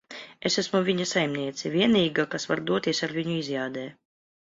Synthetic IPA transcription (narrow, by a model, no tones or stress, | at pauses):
esæsmuvʲiɲɐsajmnʲiɛt̪sʲɛvʲiɛniːɡakasvaɾd̪uɔt̪ʲiɛsaɾvʲiɲuizʲjaːd̪ɛː